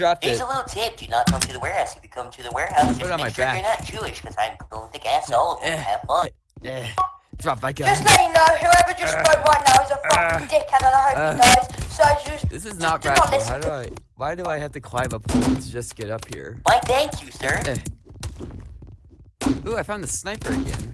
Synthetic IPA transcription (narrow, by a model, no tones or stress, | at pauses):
d̥ɹɑp̚ɪɪsəlɪɾl̩ˠtʰɪp̚d̥ɨɨnət̚kʰʌ̃mtʰɨðəwɛɹhaʊsjɨbɨkʰʌ̃mtʰɨðəwɛɹɦaʊsʌɾmaɪɛæɪ̃ŋæ̥ʒ̥ʉɪʃkʰʌzãɪ̃mkʰʌblˠɪ̃kæsɔlˠʌvɨ̃ææ̰̥fʌ̃n | jæd̥ɹɑp̚aɪɡd͡ʒʌstˡlɛɾɪ̃nohaʊɛvə˞d͡ʒʌsaɪwʌ̃nːaʊɨzə̃fɹʌ̃dɪkʰãnə̃nəhɑɹaɪz̥soʊaɪd͡ʒʌsðɪsɨznət̚ɹaɪətlɪswaɪɾɨaɪwaɪɾɨaɪhæftɨkʰl̥aɪ̃vʌpɔ̃tʰɨd͡ʒʌsɡ̥ɛɾʌphḭɹmãɪ̃nθæ̃ŋkʰjʉsɜ˞æ | uaɪfãʊ̃nðəsnaɪpə˞ɨɡɛ̰̃n